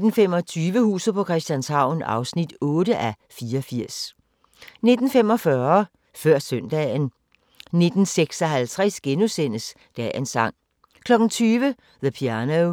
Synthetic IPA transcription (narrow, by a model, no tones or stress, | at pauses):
d̥n̩fem̰ɒ̽t͡sʰyːʋəhṵːsð̩ˠpʰɒ̽kʰʁɛsd̥jænshɑ̈ʊ̰n̩ɑ̈ʊsnid̥ɔ̽ːɾəʔæ | fiːɐɒfiɐ̰s | ne̝d̥n̩fem̰ɒ̽fɶɐɐ | fɶɐ̰sœn̰d̥ɛ̰n | ne̝d̥n̩seɡ̥sɒɦælt͡sʰʁɛsɡ̥enusen̰əs | d̥ɛːensɑ̈ŋ̰ | kʰlɒ̽ɡ̥n̩t͡sʰyːʋə | ðəpʰiænoʊ